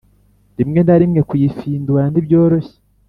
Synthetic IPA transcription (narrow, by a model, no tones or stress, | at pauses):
ndimŋe̞ndaɾimŋe̞kujifiːnduandibjo̞ːɾoçe̥